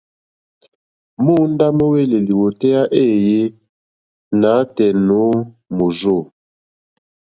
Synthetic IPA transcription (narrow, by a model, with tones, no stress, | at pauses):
mo˦n˦da˦mo˦we˦˨le˨li˨wo˨tɛ˦a˦ʔe˦˨je˦ | na˨˦tɛ˨no˨˦ | mo˨zo˦˨